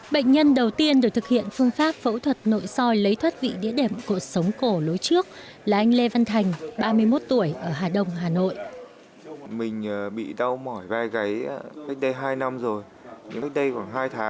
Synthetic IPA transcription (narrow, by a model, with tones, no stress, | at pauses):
ɓə̰˧˨ŋ̟ɲə˧nɗə˨˩wt̪i˧ənɗɨ˨˩k̚t̪ɨ˨˩k̚hḭ˧˨ənfɨ˧əŋfaː˦˥p̚fə̰˧˥wt̪ʰwə˨˩t̚no̰˧˨jsɔ˧jlə˨˦jt̪ʰwə˦˥t̚vḭ˧˨ɗḭ˧˥əɗe˨˩mku˧˩ək̚sə˨˦wŋ͡mko˧˩lo˨˦jt͡ɕɨ˦˥ək̚ | laː˨˩ʔa˧jŋ̟le˧va˧nt̪ʰa˨˩jŋ̟ɓaː˧mɨ˧əjmo˦˥t̚t̪u˧˩əjʔəː˧˩ɦaː˨˩ɗə˧wŋ͡mɦaː˨˩no̰˧˨jʔ | mï˨˩ŋ̟ː˨˩ɓḭ˧˨ɗa˧wmɔ˧˩jvaː˧jɣa˨˦jka˦˥jk̚ɗə˧jɦaː˧jna˧mzo˨˩j | ɲɨ̰˧a˦˥jk̚ɗə˧jkwaː˧˩nɦaː˧jt̪ʰaː˨˦